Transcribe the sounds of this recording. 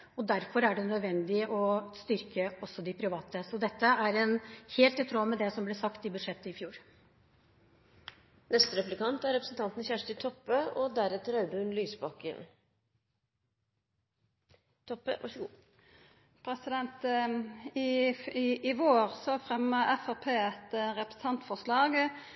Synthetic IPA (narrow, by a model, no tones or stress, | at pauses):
ɔd̪æɾfɔɾæɖɛnœd̪ʋɛnd̪ɪʔɔst̪ʏɾkəɔsːɔd̪ɪpʰɾɪʋɑːt̪əsɔd̪ɛt̪ːəæɾɛnheːlt̪ɪt̪ʰɾoːmɛd̪ɛsɔmblɛsɑkt̪ɪbʉd̪ʂɛt̪ːəɪfjuːɾ | nɛst̪əɾɛpʉlɪkʰɑnt̪æɾɛpɾəsn̩t̪ɑnt̪n̩sçæʂʈ̪ət̪ʰɔpːəɔd̪æɾɛt̪əɾɑʉd̪əhʉnlyːsbɑkə̰n | t̪ʰɔpːə̰ʋɑ̰ʂɡ | pʰɾɛsɪd̪ɛnt̪ | ɪ | ɪʋoːʁsɔfʁɛmːəʔɛfɑpʰeːɛt̪ʁɛpɾəs̩t̪ɑnt̪fɔslɑːɡ